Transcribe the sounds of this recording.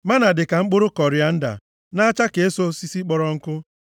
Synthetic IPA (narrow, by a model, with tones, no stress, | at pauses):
ma˦na˨dɪ˨ka˨ŋ͡m̩˦k͡pʊ˦ɾʊ˦kɔ˨ɾja˨n̩˦da̰˨ | na˦t͡ʃa˦ke˨e˦so˦si˦si˦k͡pɔ˨ɾɔ˨ŋ̩˦kʊ˦